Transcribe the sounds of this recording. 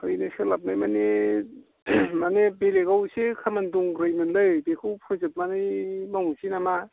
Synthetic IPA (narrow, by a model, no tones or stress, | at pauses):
ɯjnɯsɯlap̚najmane | manebeɾeɡawsekʰamanduŋɾɯjmɯnlɯbekʰɯwpʰɯzet̚manɯjmawsinama